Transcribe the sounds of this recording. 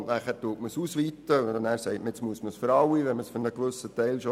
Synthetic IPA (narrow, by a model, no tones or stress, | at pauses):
ntnæːχæːɾtuətməsusʋiːt̪ədɛnæːɾsɛɪtmɪt͡smuəsməsføɾɑwiʋɛməsfʏɾnəkʋɵsətɛɪlʃo